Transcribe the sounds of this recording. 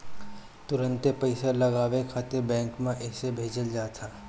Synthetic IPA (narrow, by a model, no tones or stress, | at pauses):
t̪ʊɾə̃nt̪epɐɪsalɐɡaːʋekʰaːt̪ebɛ̃ːŋkmẽʔɛːsebʱeːd͡ʒəld͡ʒaːt̪ʰaː